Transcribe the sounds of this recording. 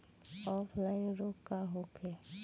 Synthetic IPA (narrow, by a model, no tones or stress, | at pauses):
ɔːpʰlaɪnɾokːaɦokʰe